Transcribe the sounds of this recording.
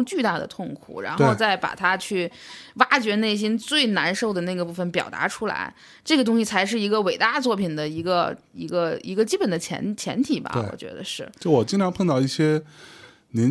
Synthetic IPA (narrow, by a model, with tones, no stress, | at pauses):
t͡ɕy˥˧t̪a˥˩d̪ə̰˩t̪ʰʊ˥˩ŋkʰṵ˨˩˦ɻa̰˧˥nxo˥˧ʊt͡sa˥˩ɪpa̰˨˩t̪ʰa˥t͡ɕʰy˥˩wa˥t͡ɕɥɛ˧˥ne˥˩ɪɕ̬i˥nt͡swe˥˩ɪna˧˥nʂo˥˩ʊd̪ə˩na˥˩ɡə˩pu˥˩fə˩npjɑ˨˩ʊt̪a̰˧˥ʈ͡ʂʰu˥la̰˧˥ɪ | ʈ͡ʂɤ˥˩ɡə˩t̪̬ʊ˥ŋɕi˨˩t͡sʰa˧˥ɪʂ̬ɻ̩˥˩i˧˥ɡə˧we˨˩ɪt̪a˥˧t͡swɔ˥˩pʰi˨˩nd̪ə˦i˧˥ɡə˧ | i˧˥ɡə˧ḭ˧˥ɡə˧t͡ɕi˥pə˨˩nd̪ə˦t͡ɕʰjɛ̰˧˥nt͡ɕʰjɛ̰˧˥nt̪ʰi˨˩bɐ̰˧˩˧wɔ̰˨˩t͡ɕɥɛ̰˧˥d̪ə̰˧ʂɻ̩˥˩t͡ɕʊwɔ˨˩t͡ɕi˥ntʈ͡ʂʰɑ˧˥ŋpʰə˥˧t̪ɑ˥˧ʊi˥˩ɕjɛ˥ | ni˧˥